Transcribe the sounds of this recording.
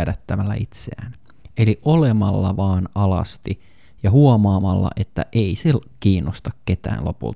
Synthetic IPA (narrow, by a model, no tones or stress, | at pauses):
ædæt̪ːæmælːæ̰it̪seæ̰ːn | eliʔolemɑlːɑʋɑːnɑlɑ̰st̪i | jɑɦuomɑːmɑlːɑ̰ʔet̪ːæ̰ʔeisekiːnːost̪ɑkket̪æ̰ːnlo̞̰pṵlt̪